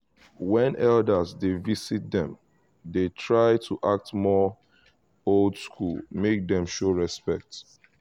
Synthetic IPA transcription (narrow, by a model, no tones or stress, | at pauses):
wɛ̃nʔɛldəzdevisit̚dɛ̃m | detʰɹaɪtʰuʔak̚tmɔ | oldskʰṵlmek̚dɛ̃mʃoɹɛspɛk̚t